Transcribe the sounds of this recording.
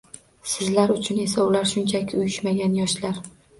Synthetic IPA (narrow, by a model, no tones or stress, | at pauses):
sɪzlaɾʊt͡ʃʰʊne̞saʊlaɾʃʊnt͡ʃʰakʲʰʊjɪʃmaɡʲanjɒʃlaɾ